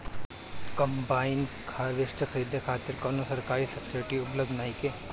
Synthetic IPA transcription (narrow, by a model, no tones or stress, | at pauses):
kɐmbaːɪn | kʰaːʋɪʃʈ̪əkʰɐɾiːd̪ekʰaːt̪ɪɾkɔnosɐɾkaːɾisɐpsaːjʈiʊpləbd̪ʱnaːike